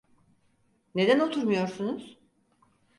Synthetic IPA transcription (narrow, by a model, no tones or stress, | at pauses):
ne̞d̪ænot̪ʰuɾmujo̞ɾsunuz̥